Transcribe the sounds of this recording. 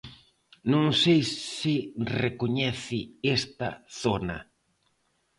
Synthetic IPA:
nõŋsejsɪrekoɲɛθɪest̪ɐ̰θonɐ̰

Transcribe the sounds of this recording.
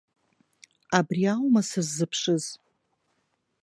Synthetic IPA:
abriawmasazːɨpʰʂɨz

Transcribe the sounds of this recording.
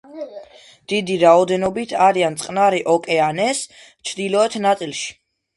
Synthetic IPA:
d̪̥id̪iɾaɔd̪ɛnɔbit̪ʰaɾiant̪sʼqʼnaɾiʔɔkʼɛanɛs | t͡ʃʰd̪ilˠɔɛt̪ʰnat̪sʼilˠʃi̥

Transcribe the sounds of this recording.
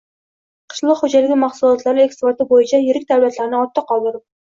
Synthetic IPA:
qʰɨ̥ʃlˠɑqhod͡ʒalɪɡʲɪmaχsʊlˠɒt̪ʰlaɾɪekspoɾt̪ɪbojɪt͡ʃʰajɪɾɪk̚ʲd̪alviat̪laɾnɪɒt̪ʰːɪqʰɒlˠd̪ɪɾɪp̚

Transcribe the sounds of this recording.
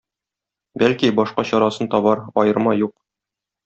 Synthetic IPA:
bælkibɒʃqɑɕɒɾɑsɤnt̪ɒbɑɾɒjɤ̆ɾmɑjuq

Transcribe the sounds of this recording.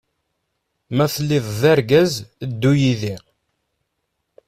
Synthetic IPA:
mæθəlːiðˤðæɾɡæzd̪ːujiði

